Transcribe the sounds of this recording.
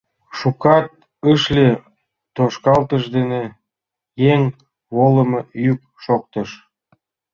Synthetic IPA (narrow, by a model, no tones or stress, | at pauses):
ʃukɑt̪̚ | əʃlʲe | t̪oʃkɑlt̪əʃd̪ene | jeŋ | βolə̆mɤjyk̚ | ʃok̚t̪əʃ